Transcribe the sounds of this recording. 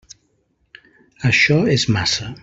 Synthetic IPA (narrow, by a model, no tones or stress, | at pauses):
əʃɔɛzmasə